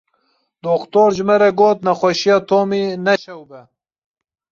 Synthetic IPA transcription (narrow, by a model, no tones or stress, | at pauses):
d̪oːkt̪oːɾd͡ʒɨmɛɾɛɡoːt̪nɛxʷɛʃijɑːt̪ʰoːmiːnɛʃɛwbɛ